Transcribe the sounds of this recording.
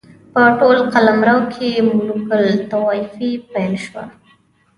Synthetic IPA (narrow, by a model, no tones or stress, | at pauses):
pəʈolqalamɾawkʰemulukəlt̪awɑifipajlʃwa̰